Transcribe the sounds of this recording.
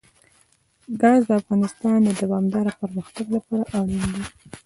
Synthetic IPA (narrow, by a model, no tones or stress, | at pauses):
ɡɑzd̪əafɣɑnɪst̪ɑnd̪əd̪awɑmd̪ɑɾapəɾməxt̪aɡlapɑɾaʔawɽind̪i